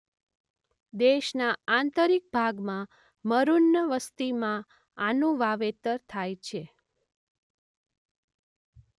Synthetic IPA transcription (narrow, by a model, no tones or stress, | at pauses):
d̪eʃnaant̪əɾik̚bʱaɡmã | məɾunːəʋəst̪imã | anũʋaʋet̪əɾt̪ʰajt͡ʃʰe